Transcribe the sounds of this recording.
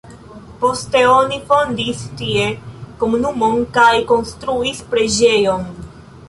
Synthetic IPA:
po̞ste̞onifond̪ist̪ie̞komunumo̞nkajko̞nst̪ɾuispɾe̞d͡ʒe̞jon

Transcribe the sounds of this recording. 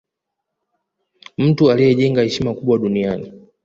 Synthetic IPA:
m̩tualijɛʄɛŋɡahɛʃimakuɓwaɗuniani

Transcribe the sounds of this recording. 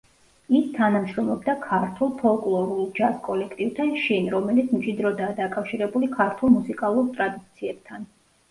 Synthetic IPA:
ist̪ʰanamʃɾɔmlˠɔbd̪akʰaɾt̪ʰulˠpʰɔlˠkʼlˠɔɾulˠd͡ʒaskʼɔlɛkʰt̪ʼivt̪ʰanʃinɾɔmɛlit̪sʰmt͡ʃʼid̪ɾɔd̪aːd̪akʼafʃiɾɛbulikʰaɾt̪ʰulˠmusikʼalˠuɾt̪ʼɾad̪it̪t̪sʰiɛb̥̚t̪ʰan

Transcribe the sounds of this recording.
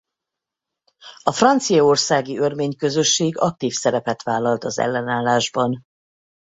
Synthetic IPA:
ɒfrɒnt̪sijɒo̞rsaːɡiørmeːɲkø̞zøʃːeːɡɒk̚t̪iːfsɛɾɛpɛt̪ʋaːlːɒlt̪ɒzɛ̰lːɛnaːlːaːʒbɒn

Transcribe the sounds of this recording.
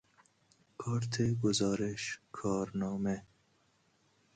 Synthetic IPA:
kʰɑːɾt̪ʰeɡʊzɑːɾɪʃkʰɑːɾnɑːme

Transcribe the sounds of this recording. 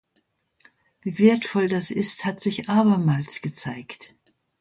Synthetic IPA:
viːveːɐtfɔldasʔɪsthatz̥ɪçʔaːbɐmaːlsɡ̥ət͡saɪkt

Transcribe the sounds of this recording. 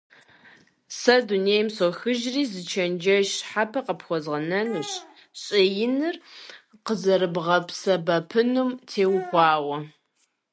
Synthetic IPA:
sɐdunejmsɔxɨʒriːzɨt͡ʃʰɐnd͡ʒɐʃħapʰɐqəpxʷɔzʁɐnɐnuːɕ | ɕʼɪjɪnɨr | qəzɐɾɨbʁɐpʰsɐbɐpʰɨnumtʰeːwxʷɑːwɐ

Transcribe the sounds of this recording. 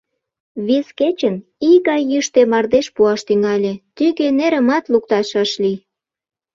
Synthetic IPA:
βesket͡ɕəniɣɑjːəʃt̪emɑrd̪eʃpuɑʃt̪yŋɑlʲet̪yɣeneɾəmɑt̪luk̚t̪ɑʃɑʃli

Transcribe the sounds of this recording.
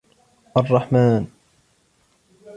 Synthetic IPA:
ʔɑrˤːɑħmaːn

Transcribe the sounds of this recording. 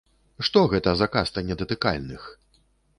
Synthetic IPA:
ʂt̪ɔɣɛt̪ɐzakast̪ɐnʲɛd̪ɐt̪ɨka̰lʲnɨx

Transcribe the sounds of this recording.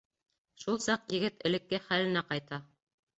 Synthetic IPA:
ʃulˠsɑqjɘ̆ɡɘt̪ɘ̆lɘ̆kːɘχælɘ̆næqɑjt̪ɑ

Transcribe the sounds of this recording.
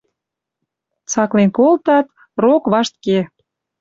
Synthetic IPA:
t͡sɑklenkolt̪ɑt̪ | rokβɑʃt̪ke

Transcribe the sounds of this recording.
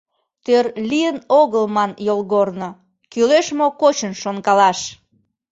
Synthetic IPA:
t̪ørliənoɣəlmɑnjolɣorno | kyleʃmokot͡ɕənʃonkɑlɑʃ

